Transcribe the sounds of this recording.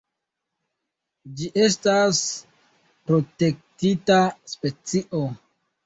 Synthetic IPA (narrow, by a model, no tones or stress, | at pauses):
d͡ʒiʔe̞s̬tas | pɾo̞te̞k̚titaspe̞t͡siʔo